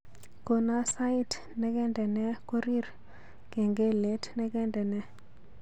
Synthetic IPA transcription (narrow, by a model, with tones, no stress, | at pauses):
ko˨na˦sa˦i˦t | nɛ˦kɛ˦ndɛ˨nɛ˦ko˦ɾi˦r | kɛ˨ŋɡe˦le˦tnɛ˦kɛ˦ndɛ˨nɛ˦